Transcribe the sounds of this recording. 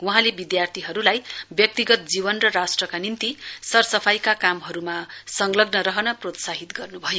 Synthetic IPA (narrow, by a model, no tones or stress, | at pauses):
wʌɦãlebid̪jart̪ʰiɦʌɾulajbjʌk̚t̪iɡʌt̪̚d͡ziβʌnrʌrasʈrʌkanint̪isʌrsʌpʰajkakamɦʌɾumasʌŋlʌɡnʌɾʌɦʌnʌprot̪saɦit̪ɡʌrnubʱʌjo